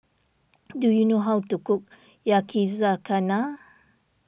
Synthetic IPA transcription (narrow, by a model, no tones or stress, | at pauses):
dujunoɦawtukʊk̚ | jakʰizakʰana